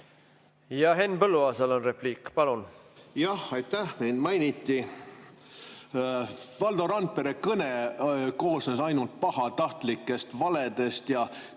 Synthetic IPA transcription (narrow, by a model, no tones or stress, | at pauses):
jɑɦe̞nːpɤlːuɑːsɑlonrepliːkːpɑlunjɑhɑjt̪ːæhmejnmɑjnit̪ːˑi | vɑld̪oɾɑnt̪̚peɾekɤneko̞ːsnesɑjnult̪̚pɑhɑt̪ɑht̪likːˑe̞st̪vɑle̞d̪e̞st̪jɑ